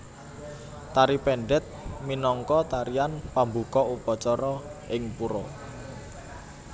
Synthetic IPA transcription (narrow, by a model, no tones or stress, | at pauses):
t̪aɾipɛɳɖɛt̪̚minɔŋkɔt̪aɾianpambukɔupɔt͡ʃɔɾɔɪŋpuɾɔ